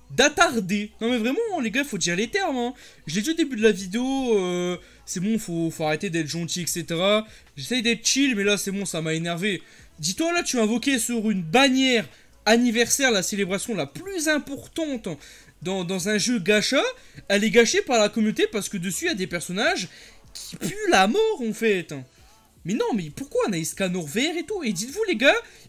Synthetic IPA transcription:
d̪at̪aʁd̪enɔ̃mɛvʁɛmɑ̃leɡaifod̪iʁlet̪ɛʁmɛ̃ | ʒəled̪iod̪ebyd̪əlavid̪eoø | sɛbɔ̃ifofoaʁet̪ed̪ɛt̪χʒɑ̃t̪iɛkset̪eʁa | ʒesɛjd̪ɛt̪χʃilmɛlasɛbɔ̃samaenɛʁve | d̪it̪walat̪yaɛ̃vɔkʲesyʁynbanjɛʁ | anivɛʁsɛʁlaselebʁasjɔ̃laplyzɛ̃pɔʁt̪ɑ̃t̪ | d̪ɑ̃d̪ɑ̃zɛ̃ʒøɡaʃaɛlɛɡaʃepaʁlakɔmynot̪epaʁsə̥kəd̪əsyjad̪epɛʁsɔnaʒkʲʰi̥pylamɔʁɑ̃fɛt̪ | mɛnɔ̃mɛpuʁkwaɛ̃naiskanɔʁvɛʁet̪ued̪it̪vuleɡa

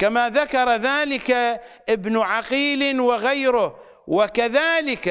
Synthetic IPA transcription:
kamaðakɑɾˤɑðaːlɪkaʔɪbnʊʕaqiːlwaɣajɾʊh | wakaðaːlɪka

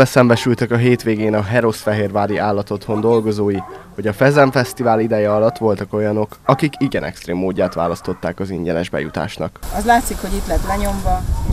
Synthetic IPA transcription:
ɛsɛmbɛʃylt̪ɛkɒɦeːt̪ʋeːɡeːnɒɦɛɾosfɛɦeːrvaːd̪iʔaːlːɒt̪o̞t̪ho̞nd̪o̞lɡo̞zoːjiho̞ɟɒfɛzɛɱfɛst̪ivaːlid̪ɛjɛɒlɒt̪ːʋo̞lt̪ɒko̞jɒno̞kɒkikiɡɛnʔɛ̰kst̪reːmːoːɟːaːt̪ʋa̰ːlɒst̪o̞t̪ːaːkɒziɲɟɛnɛʒbɛ̰jṵt̪a̰ːʃnɒ̰kɒzlaːt̪sikhoɟit̪lɛt̪lɛɲo̞mvɒ

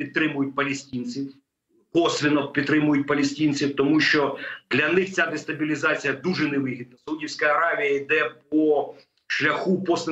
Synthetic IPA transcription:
id̪̚t̪ɾɪmʊjʊt̚ʲpɐlʲesʲtʲinʲt͡sʲiw | kɔsʋʲinɔpʲid̪̚t̪ɾɪmʊjʊt̚ʲpɐlʲesʲtʲinʲt͡sʲiwt̪ɔmuʃt͡ʃɔd̪̥lʲɐnɪxt͡sʲad̪est̪ɐbʲilʲizɑt͡sʲijɐd̪uʒɛneʋɪɦʲid̪̚nɐsɐudʲiwsʲkɐɐɾɑʋʲijɐid̪ɛp̚ɔ | ʃlʲɐxupɔsʲɪ

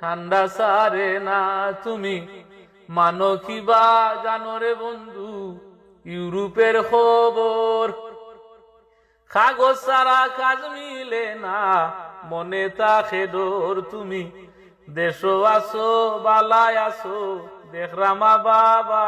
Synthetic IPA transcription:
ʈʰaɳɖasaɾenat̪umi | manɔkibad͡ʒanɔɾebɔnd̪u | juɾupeɾkʰɔbɔɾ | kʰaɡɔsaɾakʰad͡ʒmilenamɔnet̪akʰed̪ɔɾt̪umi | d̪eʃɔasɔbalajasɔd̪ɛkʰɾamababa

